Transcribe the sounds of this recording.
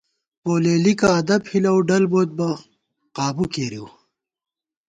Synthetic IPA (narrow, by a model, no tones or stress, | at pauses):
poːleːlikaːd̪ɐbhilɐwɖɐlboːt̪̚bɐ | qaːbukeːɾiw